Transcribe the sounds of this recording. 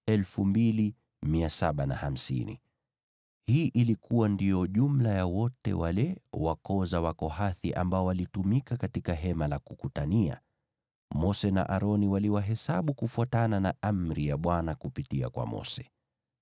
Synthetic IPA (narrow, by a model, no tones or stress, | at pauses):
ɛlfumbili | miasaɓana̰ham̩sḭnḭ | hiːʔilikuwandijɔʄum̩lajawɔtɛ̰walɛwakɔzawakɔhaθiʔa̰mbaɔwalitumikakatikaɦɛmalakukutania̰ | mɔsɛna̰ʔaɾɔniwaliwaɦɛsaɓukufuatananaʔamɾijaɓwanakupitia̰kwa̰mɔ̰sɛ̥